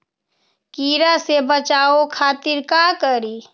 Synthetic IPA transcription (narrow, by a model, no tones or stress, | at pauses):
kiɾasebət͡ʃaokʰaːt̪iɾkakəɾi